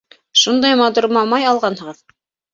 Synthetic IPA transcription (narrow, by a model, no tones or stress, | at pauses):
ʃund̪ɑjmɑt̪uɾmɑmɑjɑlˠʁɑnhɤ̆ʁɤð